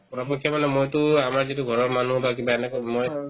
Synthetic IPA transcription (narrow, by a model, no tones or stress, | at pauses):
pɔɹɔpekʰːjamanɛmojtʊamaɹzituɡʱɔɹɔɹmanuɦbak̬ibaɛnɛkɔmoj